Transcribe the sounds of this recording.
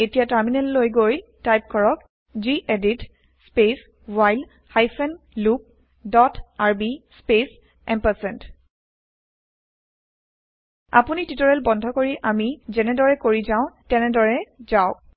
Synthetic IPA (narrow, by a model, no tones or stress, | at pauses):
etijataɹminɛlːojɡojtajp̚kʰɔɹɔk | ziʔedit | spes | wajl | hajfʰɛn | lup̚ | dɔtaɹbispes | ɛmpasɛnt | a̰punititɔɹɛlbɔndʱɔkoɹiʔamizɛnɛdɔɹɛkoɹizaʊ̃tɛnɛdɔɹɛzaʊ